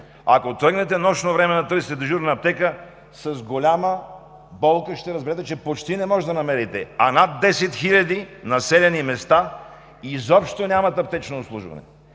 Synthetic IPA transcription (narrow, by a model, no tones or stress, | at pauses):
ɐ̰kot̪ɾəɡnɛt̪ɛnɔʃnovɾɛmɛnɐt̪ɾɤsit̪ɛd̪əʒuɾnɐɐp̚t̪ɛkə | sɐzɡolʲamə | bɔlˠkəʃt̪ɛɾɐzbɛɾɛt̪ɛt͡ʃɛpot͡ʃt̪inɛmɔʒɛd̪ɐnɐmɛɾit̪ɛanad̪ːɛsɛt̪xilʲɐd̪inɐsɛlʲɛnimɛst̪a | izɔpʃt̪onʲamɐt̪ɐp̚t̪ɛt͡ʃnoːpslˠṵʒvɐ̰nɛ̰